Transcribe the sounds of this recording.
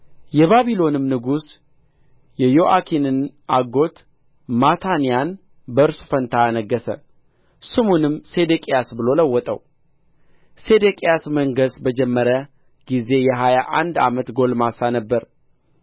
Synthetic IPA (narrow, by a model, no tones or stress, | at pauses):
jɛβaβilo̞nɨmnɨɡus | jɛjo̞ʔakʰinɨn | ʔaɡo̞t̪ | mat̪ʰanijan | bəɨɾsu̥fənt̪ʰaanəɡːəsə̰ | sɨmunɨmːsed̪ekʼijasbɨlo̞ləwːɔt̪ʼə̰w | se̞d̪ekʼijasməŋɡəsbəd͡ʒɛmːəɾə | ɡ̥ize̞jɛɦajaʔa̰nd̪a̰mət̪ɡo̞lmasanəbːəɾ